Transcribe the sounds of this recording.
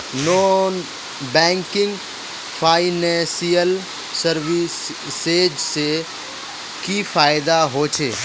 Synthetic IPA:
noːn | bɛ̃ːŋkɪ̃ŋɡ | fʰaːɪnɛ̃ːsijəl | səɾʋis | seːd͡ʒse | kifaːɪd̪aɦoːt͡ʃʰeː

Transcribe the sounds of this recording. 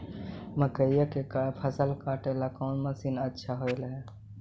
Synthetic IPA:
məkəijəkekapʰəsəlkaːʈelakɔːnməsinətːʃʰaɦoelɦe

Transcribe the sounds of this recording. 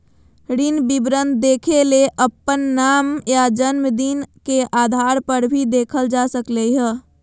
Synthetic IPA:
ɾinbibɾə̃nd̪̚d̪eːkʰeleʔəpːənːaːmjad͡ʒənməd̪inkeʔad̪ʱaːɾpəɾbʱid̪eːkʰəld͡ʒasəklɛɦə̃

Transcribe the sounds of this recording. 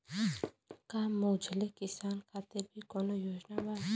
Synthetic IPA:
kaːmoːd͡ʒʱlekɪsaːnkʰaːt̪ɪɾbʱikɔːnojoːd͡ʒnabaːd̪

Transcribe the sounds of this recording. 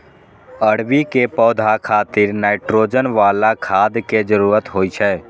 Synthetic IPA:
əɽbikepɔːd̪ʱakʰaːt̪ɪɾnaːɪʈɾoːd͡ʒənʋaːlakʰaːd̪ked͡ʒəɾuːɾət̪ɦoːit͡ʃʰɛː

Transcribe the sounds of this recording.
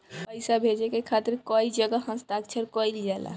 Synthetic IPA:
pəjsabʱed͡ʒekekʰat̪iɾkɔid͡ʒəɡəɦə̃st̪akt͡ʃʰəɾkɔild͡ʒala̰

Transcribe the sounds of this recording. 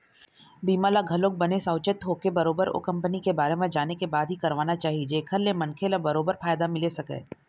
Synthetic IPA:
biːmaːlaɡʱɐlõːk̚bɐnesaʊt͡ʃɪt̪ɦoːkebɐɾoːbəɾo̰kɐ̃mpənikebaːɾemẽd͡ʒaːnekebaːd̪ʱɦikɐɾʋaːnat͡ʃaːɦid͡ʒeːkʰəɾlemɐ̃nkʰelabɐɾoːbəɾfaːjd̪amɪlesɐkḛː

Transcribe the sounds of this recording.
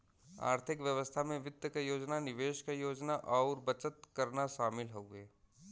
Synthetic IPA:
a̰ːɾt̪ʰɪkʋjəʋəst̪ʰamẽʋɪd̪jəkajoːd͡ʒnanɪʋeːʃkajoːd͡ʒnaʔɔːɾbɐt͡ʃət̪̚kɐɾnaʃaːmɪlɦoeː

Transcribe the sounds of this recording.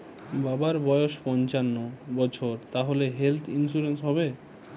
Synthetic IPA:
babaɾbɔjoʃpɔnt͡ɕanːobɔt͡ɕʰoɾt̪aɦoleɦelt̪ʰinsuɾensɦɔbe

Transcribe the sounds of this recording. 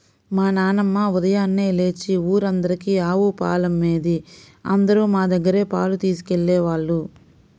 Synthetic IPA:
maːnaːnɐmːaːud̪ɐjaːnːeːle̞ːt͡ʃːiuːɾɐnd̪ɐɾikiaːʋupa̰ːlɐmːeːd̪i | ɐ̰nd̪ɐɾuːmaːd̪ɐɡːɐɾe̞ːpa̰ːlut̪iːsi̥keɭːɛːʋaːɭːu

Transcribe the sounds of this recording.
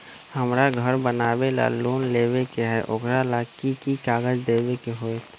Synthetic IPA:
həmɾaɡʱəɾbənaːʋela̰loːnleːʋekeɦɛʔʊkɾalakikikaːɡəd͡ʒd̪eːwekeɦoːet̪

